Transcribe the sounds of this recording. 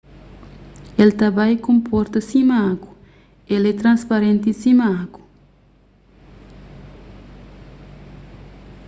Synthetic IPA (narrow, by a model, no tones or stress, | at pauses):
elt̪abajkõmpɔɾt̪ɐsimaaku̥ | elɛt̪ɾãnspaɾẽnt̪isimaaku̥